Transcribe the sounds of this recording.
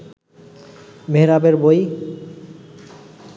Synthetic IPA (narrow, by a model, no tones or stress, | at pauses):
meɦɾabeɾboj